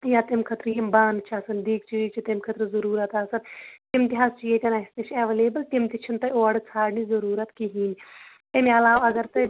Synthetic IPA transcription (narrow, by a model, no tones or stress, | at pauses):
jaːt̪ɐmkʰɐt̪ɾjɐmbaːnt͡ʃʰaːsɐnd̪iːk̚t͡ʃijit͡ʃʰit̪ɐmkʰɐt̪ɾɨzɐɾuːɾɐt̪aːsɐnt̪imt̪iɦaːst͡ʃijet̪ʲɐnɐist̪it͡ʃʰɐʋeleːbɐlt̪imt̪it͡ʃʰint̪ɐoːɐɽɨt͡sʰaːɽnizɐɾuːɾɐt̪kiɦiːn | emɐlaːʋɐɡɐɾt̪ɐ